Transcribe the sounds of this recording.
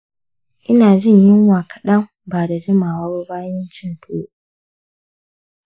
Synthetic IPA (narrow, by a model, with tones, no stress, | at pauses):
ʔɪ˦naː˨d͡ʒɪ˦ɲjɪ˦ŋwaː˨kʰɐ̥˨ɗɐ˦m | baː˨da˨d͡ʒɪ˦maː˨wa˦bu˦baː˦jɪ˦nt͡ʃɪ˦ntʰo˦